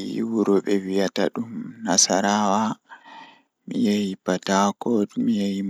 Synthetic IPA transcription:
ḭwuɾɔɓɛwijata̰ɗumnasaɾaːwa | mijajipatakɔtmijaji

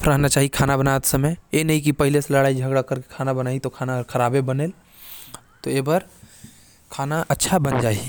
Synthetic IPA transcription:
pʰɾaɦnat͡ʃaːɦiekʰaːnabɐnaːt̪sɐməjjenɐɦĩk̬ipɐɦɪleselɐɽaːid͡ʒʱɐɡɽakɐɾke̥kʰaːnabɐnaːit̪okʰaːnaɔɾkʰɐɾaːbebɐneːl | t̪oeːbaɾ | kʰaːnaʔɐtːʃʰabɐnd͡ʒaːi

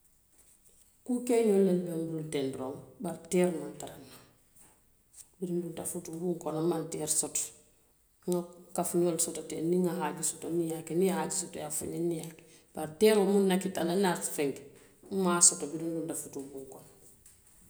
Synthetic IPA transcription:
kukejolelbombultendɾoːmbaɾteɾmantaɾanːa | biɾindundafutubuŋkonamantɛːɾsot | ŋakafɲoːlsototeːniŋaɦaɟisotonijakenihaɟisoto̰jafa̰ɲenijak | b̥aɾtɛːɾomunːakitalanaɾfɛŋk | maːsotobidindundafutubuŋkon

